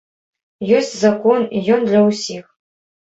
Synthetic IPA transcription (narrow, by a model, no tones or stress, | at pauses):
josʲtʲzakonijɔnd̪lʲɐwsʲix